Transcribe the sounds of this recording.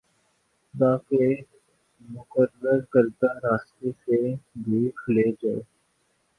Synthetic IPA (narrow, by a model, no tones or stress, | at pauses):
t̪aːke | mʊkəɾəɾkəɾd̪aɾaːst̪eseb̪ʱiːkʰleːd͡ʒaːe